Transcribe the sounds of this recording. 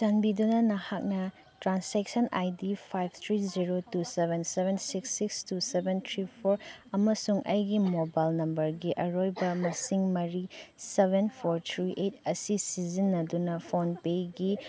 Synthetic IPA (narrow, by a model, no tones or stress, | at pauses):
sɐnbidunɐnɐhak̚nɐ | tɾansek̚sɐnʔa̰jdipʰajb̚ʰʱt̪ʰɾiziɾotusebʱensebʱensiksːikstusebent̪ʰɾipʰoɾɐmɐsuŋʔɐ̰jɡimobajlnɐmbɐɾɡiʔɐɾojbɐmɐsiŋmɐɾisebʱenpʰoɾt̪ʰɾiʔet̚ɐsisizinːɐdunɐpʰonpejɡi